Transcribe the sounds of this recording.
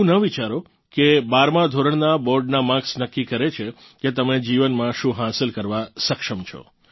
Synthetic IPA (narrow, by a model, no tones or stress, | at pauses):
ũnəʋit͡ʃaɾo | kebaɾmãd̪ʱoɾəɳ̃nabɔɾɖnamãksnəkːikəɾet͡ʃʰe | ket̪əmed͡ʒiʋənmãʃũɦasəlkəɾʋasəkʃəmt͡ʃʰɔ̰